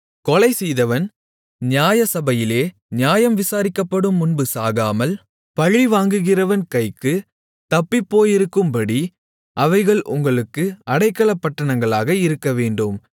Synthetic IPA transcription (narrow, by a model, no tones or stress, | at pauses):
kɔɭɐɪsɛjðɐʋɐn | nɪjaːjɐsɐbɐjɪleː | njaːjɐmʋɪsaːɾɪkːɐpːɐɽɯmːʊnbɯsaːɣaːmɐl | pɐɻiʋaːŋɡɯɣɪrɐʋɐnkɐɪkːɯ | t̪ɐpːipːoːjɪɾɯkːɯmpɐɽi | ʔɐʋɐɪɣɐɭʔʊ̰ŋɡɐɭɯkːɯɐɽɐɪkːɐɭɐpːɐʈːɐɳɐŋɡɐɭaːɣɐɪɾɯkːɐʋeːɳɖɯm